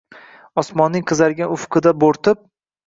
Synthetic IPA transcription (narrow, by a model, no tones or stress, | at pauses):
ɒsmɒnːɪŋqʰɨzaɾɡʲaʊfqʰɨd̪aboɾt̪ɪp̚